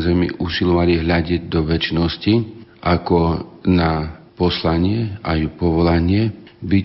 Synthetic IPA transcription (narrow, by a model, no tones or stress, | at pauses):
zɛmḭʔuːsilɔʋaliɦʎaɟɪɛɟd̪ɔʋɛt͡ʃnɔsciʔakɔnapɔslaɲɪɛajupɔʋɔlaɲɪɛbi